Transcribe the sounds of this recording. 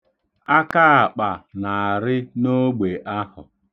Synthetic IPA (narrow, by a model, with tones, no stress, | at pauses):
a˦ka˦a˨k͡pa˨na˨ɾɪ˦no˦ɡ͡be˨ʔa˦ɦʊ˨